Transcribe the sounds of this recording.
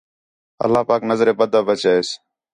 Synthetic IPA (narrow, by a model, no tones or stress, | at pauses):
ə̰lːaːpaːknəzɾeːbəd̪ʱaːbət͡ʃaːeːs